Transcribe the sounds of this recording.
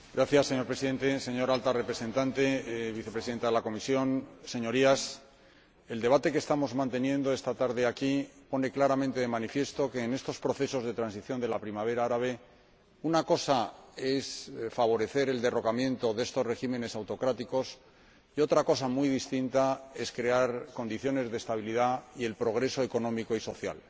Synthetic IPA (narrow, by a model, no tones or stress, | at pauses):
ɡɾaθjasːe̞ɲo̞ɾpɾe̞siðe̞nt̪e̞se̞ɲo̞ɾalt̪arepɾe̞se̞nt̪ant̪e̞βiθe̞pɾesiðe̞nt̪aðelako̞misjo̞nse̞ɲo̞ɾias | e̞ld̪e̞βat̪e̞ke̞st̪amo̞zmãnt̪e̞njẽ̞nd̪o̞e̞st̪at̪aɾðe̞akipo̞ne̞klaɾamẽnt̪e̞ðe̞manifje̞st̪o̞ke̞ːne̞st̪o̞spɾo̞θe̞so̞zðe̞t̪ɾansiθjo̞nd̪e̞lapɾimaβ̞e̞ɾaaɾaβ̞e̞ | unako̞sae̞sfaβ̞o̞ɾe̞θe̞ɾe̞ld̪e̞ro̞kamje̞nt̪o̞ðe̞st̪o̞sre̞ximẽ̞ne̞sawt̪o̞kɾat̪iko̞s | io̞t̪ɾako̞samujðist̪int̪ae̞skɾe̞aɾko̞nd̪iθjo̞ne̞zðest̪aβ̞iliðaie̞lpɾo̞ɣ̞ɾe̞so̞e̞ko̞nõ̞miko̞iso̞θja̰l